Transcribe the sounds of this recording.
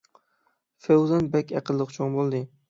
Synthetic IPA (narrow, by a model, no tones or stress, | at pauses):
fewzanbakʲaqɨlˠːɨqt͡ʃʰonbolˠd̪ɪ